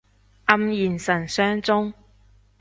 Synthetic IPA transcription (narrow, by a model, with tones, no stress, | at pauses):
ʔɐ˧mjiː˨˩nsɐ˨˩nsœː˥ŋt͡sʊ˥ŋ